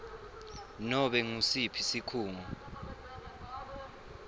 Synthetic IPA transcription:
nɔɓɛŋusipʰisikʰuːŋɔ

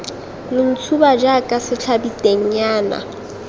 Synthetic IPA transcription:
lɪn̩t͡sʰubad͡ʒakʼasɪt͡ɬʰabitʼeŋ̩ɲaːna̰

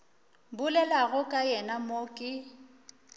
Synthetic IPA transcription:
bʊlɛlaɣʊkʼajɛnamokʼɪ

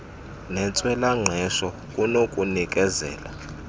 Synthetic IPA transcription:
nɛnt͡sʼwɛlaŋ͡ǀʱɛʃɔ | kʼunokʼunikʼɛzɛ̰ːla̰

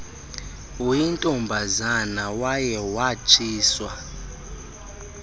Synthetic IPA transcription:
wintʼɔmbʱazanawajɛwat͡ʃʼiːswa

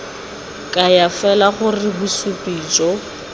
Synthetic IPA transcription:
kʼajafɛlaχʊrɪbusupʼiːt͡ʃʼɔ

